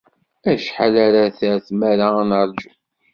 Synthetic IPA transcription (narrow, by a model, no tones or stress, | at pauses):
æʃħalaɾaθæɾθmæɾanəɾˤd͡ʒu